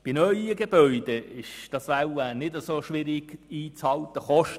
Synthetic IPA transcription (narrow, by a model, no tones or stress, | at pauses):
b̥inœʏəɡeb̥œʏd̥eɪʃd̥ɑsʋawənɪdəsoʃʋɪɾɪɡ̥iːt͡shɑlt̪əχɔʃt